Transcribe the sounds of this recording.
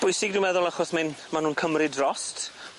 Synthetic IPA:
b̥ʊjsɪɡdumɛðʊlˠaχɔsmɪnmanuːnkʰəmrɪdrɔst

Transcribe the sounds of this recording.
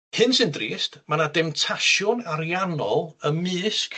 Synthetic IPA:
hɨnsɨndriːstmanadɪmtʰaʃjʊnaɾjanɔlˠəmɨːskʰ

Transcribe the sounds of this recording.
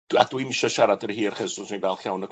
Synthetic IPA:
d̥adwimɪʃaʃaɾadərhiːrχɛzʊsinvɛlˠχjawnəɡ

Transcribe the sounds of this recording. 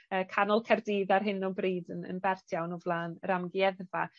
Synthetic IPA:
əːkʰanɔlˠkʰɛrdiːðarɦɪnɔbriːdənə̰nbɛrtʰjawnɔvlˠaːnɾamɡjɛðva

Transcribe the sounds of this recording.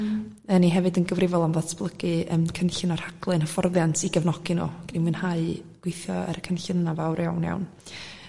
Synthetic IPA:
əniɦɛvɨdənɡəvrɪvɔlˠamðɔtʰb̥lˠəɡɨəmkʰənɬɨnɔrhaɡ̥lˠɨnhəfɔrðjantʰiɡəvnɔɡ̥ɨno̰ɡ̥nimwɨnhaɨɡ̥wejθjɔɛ̰ɾəkʰənɬənavawɾja̰wnja̰wn

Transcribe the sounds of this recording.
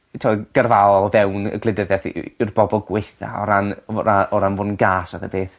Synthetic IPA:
tʰɔɡ̥ərvaɔlˠvɛwnə̰ɡlˠɨdəðjaθɪrbɔbɔlˠɡwɪjθa̰ɔ̰ɾanɔɾaʔɔɾanvoːnɡaːsaðəbeːθ

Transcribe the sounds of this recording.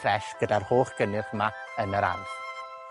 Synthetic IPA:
rɛʃɡ̥ədarhoːχɡ̥ənɨθəma | ənəɾa̰nθ

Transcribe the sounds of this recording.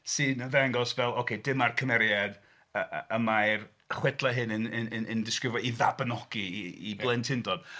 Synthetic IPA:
sɨnvɛŋɡɔsvɛlˠokʰedɪmarkʰəmɛɾjad̥ | əəmajr | χwɛdlˠaɦɨnənənənəndɪskrɪvjɔiðabənɔɡ̥iiblˠɛntʰɪndɔd̥

